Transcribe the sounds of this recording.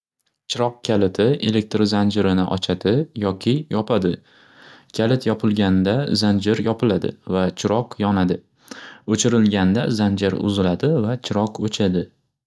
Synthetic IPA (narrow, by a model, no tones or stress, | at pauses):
t͡ʃʰɪɾɒq̚kʲʰalɪt̪ʰɪe̞lek̚t̪ɾzand͡ʒɪɾɪnɪʔɒ̰t͡ʃʰad̪ɪjɒkʲʰɪjɒpʰad̪ɪ | kʲʰalɪt̪ʰjɒpʰɪlˠɡʲand̪azand͡ʒɪɾjɒpʰɪlad̪ɪ̰vat͡ʃʰɪɾɒqjɒnad̪ɪ | ɵt͡ʃʰɪɾɪlɡʲand̪azand͡ʒɪɾʊ̰zɪlad̪ɪvat͡ʃʰɪɾɒqɵt͡ʃʰad̪ɪ